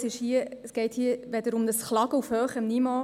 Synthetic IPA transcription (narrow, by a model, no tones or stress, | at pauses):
sɪʃhiəəsɡ̥ɛɪthiəʋɛd̪əɾʊmdəsχlɑɡəufhøːχəmnimɑː